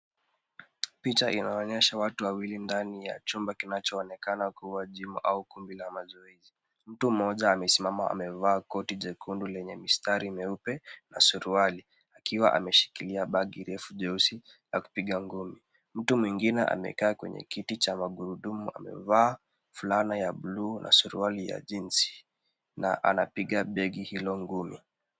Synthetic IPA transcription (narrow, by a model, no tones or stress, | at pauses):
pit͡ʃaʔinaɔɲɛʃawatuwawilindanija̰t͡ʃumbakinat͡ʃɔːnɛkanakuwaʄimuʔaukumbilamazɔɛzi | m̩tum̩ɔʄaːmɛsimamaa̰mɛvaːkɔtid͡ʒɛkʰundulɛɲɛmistaɾimɛupɛnasuɾuali | akiwaʔa̰mɛʃi̥kiliaɓaɠiɾɛfuʄɛusi | laku̥piɠaŋɡumi | m̩tumwiŋɡinɛʔa̰mɛ̰kaːkwɛ̰ɲɛ̰kitit͡ʃamaɡuɾuɗumua̰mɛ̰vaː | fulanajaɓluːnʔa̰suɾṵalija̰ʄinsi̥ | na̰ʔa̰napiɠaɓɛɡihilɔŋɡumi